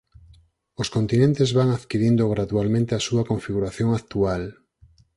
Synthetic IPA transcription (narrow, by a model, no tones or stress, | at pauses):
ʊskont̪inẽnt̪ezβaŋaðkiɾind̪oɣɾaðualmẽnt̪easuɐkoɱfiɣuɾaθjoŋakt̪ual